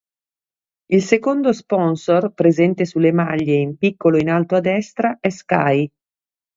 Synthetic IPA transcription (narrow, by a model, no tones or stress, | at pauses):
ilsekond̪ospɔnsorpɾezɛnt̪esulːemaʎːeimpikːoloinalt̪oad̪ːɛst̪ɾaʔɛskaj